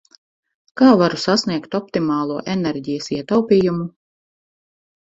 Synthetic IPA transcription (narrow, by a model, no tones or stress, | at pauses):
kaːvaɾusasniɛkt̪ɔp̚t̪imaːlˠuɔʔenɛɾʲɟijɐsiɛt̪awpʲiːjumu